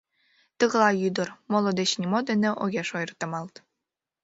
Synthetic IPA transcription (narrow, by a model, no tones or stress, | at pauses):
t̪ɤɣ̆lˠɑjyd̪ɤ̆rmolˠod̪et͡ɕnʲimod̪ĕnĕʔoɣʲeʃojɤrt̪ɤ̆mɑlˠt̪